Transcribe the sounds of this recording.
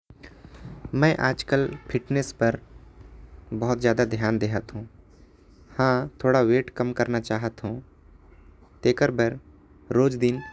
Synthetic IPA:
mɛ̃ːʔaːd͡ʒkəlpʰɪʈnespɐɾ | bɔɦʊt̪zjaːd̪ad̪ʱjaːnd̪eːɦət̪ɦũː | hãːt̪ʰoːɽaweːʈkəmkɐɾnat͡ʃaːɦət̪ɦũː | t̪eːkəɾbəɾ | ɾoːd͡ʒd̪ɪn

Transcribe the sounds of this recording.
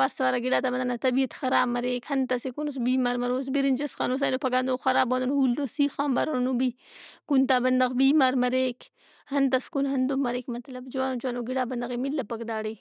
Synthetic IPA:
aːɾsɐʋaɾaɡiɽaːt̪abɐnd̪ɐnat̪ɐbiɐt̪xɐɾaːbmɐɾeːkhɐnt̪asekunus̬biːmaɾmɐɾoːs̬biɾind͡ʒɐskaːnos̬ajnopʰɐɡaːnd̪oxɐɾaːbod̪unhuld̪osiːxãːmbɐɾoonubi | kunt̪aːbɐnd̪ɐɣbiːmaːɾmɐɾek | hɐnt̪askunɦɐnd̪umɐɾeːkmɐt̪lɐbd͡ʒuwanot͡ʃwaːnoɡiɽaːbɐnd̪ɐɣemilːɐpɐkd̪aːɽe

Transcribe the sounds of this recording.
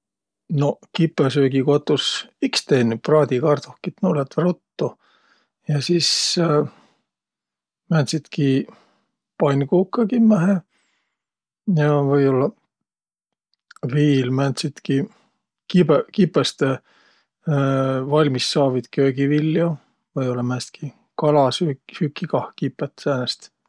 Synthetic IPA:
no̞kipˑːesøːɡikot̪ˑːusikst̪eːny̥prɑːd̪ʲikɑrt̪ohkit̪nulet̪rot̪ːu | jɑsiːs | mænt̪sit̪ki | pɑnʲkuːkːɑkimæɦe | jɑvɤjolːɑ | viːlmænt̪sit̪ki | kipekipːˑest̪e | vɑlʲmisːɑːvid̪̥køːɡivilʲːjo | vɤjolːɑmænst̪kʰi | kɑlɑsysykːikɑhkipːˑet̪ːsæːnest̪

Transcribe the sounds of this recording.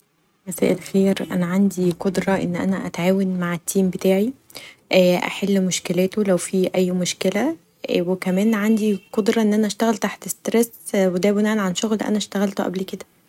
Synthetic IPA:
mæsæ̰ːʔelxeːɾʔæ̰næʕand̪iqod̪ɾˤɑʔḛnːʔæ̰næʔæ̰t̪ʕaːwenmaʕet̪ːiːmbet̪æːʕi | ʔæʔæ̰ħelːmoʃkelæːt̪olæwfiːʔæjːmoʃkelæ | wekæmæːnʕand̪iqod̪ɾˤɑʔenːʔænæʔæʃt̪æɣælt̪aħt̪est̪ɾes | wed̪æbonæʕnʕanʃoɣlʔæ̰næʃt̪æɣælt̪oʔæ̰blked̪æ

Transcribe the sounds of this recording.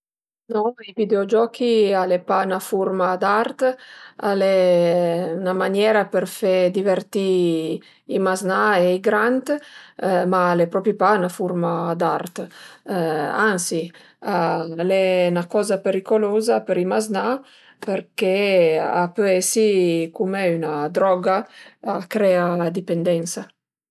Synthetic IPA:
nɔivid̪eod͡ʒɔkʰialepanafuɾmad̪aɾt̪ale | namanjɛɾapeɾfed̪ivert̪i | imaznaeiɡɾant̪ | malepɾɔpɾipanafuɾmad̪aɾt̪ | ansi | alɛnakɔzapeɾikolozapeɾimazna | peɾkea̰pøɛsikumeynad̪ɾɔɡaakɾɛad̪ipend̪ɛnsa

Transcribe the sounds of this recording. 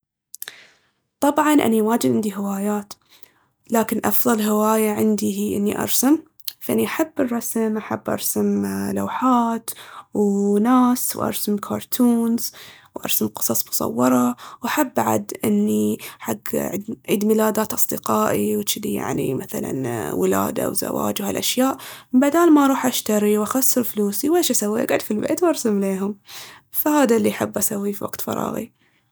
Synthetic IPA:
t̪ˤɑbʕɑnʔa̰niwaːd͡ʒɪd̪ʕɪnd̪iɦɪwaːjaːt̪ | laːkɪnʔɑfðˤɑlɦɪwaːjaʕɪnd̪iɦiːʔɪ̰nːiʔɑ̰ɾˤsam | faʔaniʔaħabːɨrˤːɑsmʔaħabːʔɑ̰ɾˤsamla̰ːħaːt̪wnaːswʔɑ̰ɾˤsɪmkʰɑːɾˤt̪ʰuːnz̥wʔɑ̰ɾˤsamqɨ̥sˤɑsˤmʊ̥sˤɑ̰wːɑɾˤɑwʔaħabːʔaʕa̰d̪ʔɪnːiħaɡʕd̪ʕḭːd̪mɪlaːd̪aːt̪ʔɑsˤd̪ɪqɑːʔiwt͡ʃɪd̪ija̰ʕnḭmaθala̰nwɪla̰ːd̪a̰wza̰wa̰ːd͡ʒwhalʔaʃjaːʔbad̪aːlmaɾˤuːħʔaʃt̪aɾiwʔaxasːɨɾfluːsiweːʃʔasawːiːʔa̰ɡaʕd̪filba̰ʔd̪wʔɑɾˤsamleːɦʊmfahaːd̪alːiaħabːʔasawːifiwa̰ɡ̥t̪fɑ̰ɾˤɑ̰ːɣḭ

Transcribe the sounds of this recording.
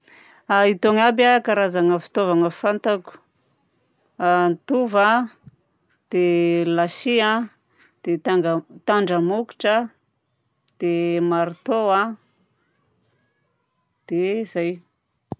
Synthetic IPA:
ait̪oŋabʲakaɾazaŋəfi̥t̪ovaŋəfant̪aku̥ | ant̪uva | d̪̥elasia | d̪̥et̪aŋɡət̪aɳɖ͡ʐəmuki̥ʈ͡ʂə | d̪̥emaɾit̪oa | d̪̥ez̥aj

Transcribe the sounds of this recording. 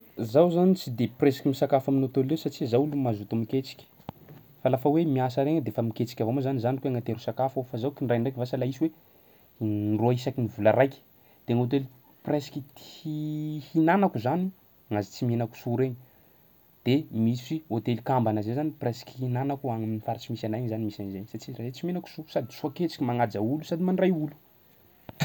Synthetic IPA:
zawzanit͡sid̪epresi̥kʲimisakafaminot̪olewsaʈ͡ʂizawulumazut̪umikʲet͡si̥kʲə̥ | falafawemiasaɾeŋəd̪efamikʲet͡si̥kʲavomazanizanikweaŋat̪eɾusakafofazawkinɖ͡ʐajɳɖ͡ʐajkvasalaisiwe | nroaisakinivulaɾajkʲi̥ | d̪̥eŋot̪̬eli | presi̥kʲit̪i̥ | hinanakuzani | ŋazit͡simenaku̥suɾeɲi | d̪̥emissiot̪elikambanazezanipresi̥kʲi̥hinanakuaŋaminifaɾat͡simisanajɲzanimisanzeɲsat͡ʃirazet͡simenaku̥suɾsad̪isuaket͡si̥kʲimaŋad͡zaulusad̪imanrajulu̥

